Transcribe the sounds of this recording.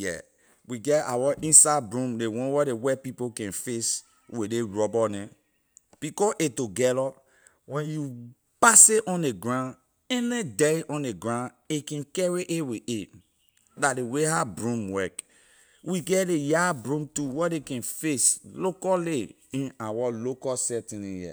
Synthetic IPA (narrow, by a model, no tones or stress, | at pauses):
jɛ̰ | wiɡɛta̰waʔĩnsabɹũmdewɔ̃nwɛdewɛpipokɛ̃nfes | wedeɹɔbɔnɛ̃ | b̥ikɔʔetoɡɛlɔ | wɛ̃nju | paseʔɔ̃neɡɹãn | ɛnɛ̃dɛiʔɔ̃neɡɹãn | ekɛ̃nkɛɹiʔeweʔe | dadeweɦabɹũmwɛk | wiɡɛdejabɹũmtuwɛdekɛ̃nfeslokɔle | ĩnawalokɔsɛtĩnĩjɛ̰